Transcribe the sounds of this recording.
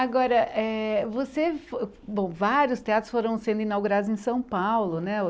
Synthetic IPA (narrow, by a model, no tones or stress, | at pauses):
aɡɔɾɐʔɛvosefo | bõw̃vaɾjʊst̪eat̪ɾʊsfoɾɐ̃w̃sẽnd̪ʊĩnawɡuɾad̪ʊzẽj̃sɐ̃w̃pawlʊnɛ